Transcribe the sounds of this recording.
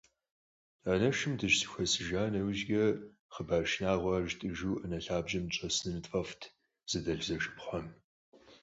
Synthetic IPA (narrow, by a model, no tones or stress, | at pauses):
aːnɐʃɨmdɨʃsɨ̥xʷɐsɨʒaːnɐwʒɡɐ | χəbaːʃnaːʁʷɐʒtʼɨʒuːʔənɐɬaːbʒɐmt͡ʃʼɐsnɨnɨtʼfʼɐftʰ | z̥ɨdɐɬzɐʃɨ̥pχʷɔm